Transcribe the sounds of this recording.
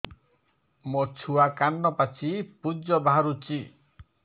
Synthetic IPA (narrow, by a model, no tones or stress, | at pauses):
mot͡ʃʰuakanːɔpat͡ʃʰipud͡ʒɔbaɾut͡ʃi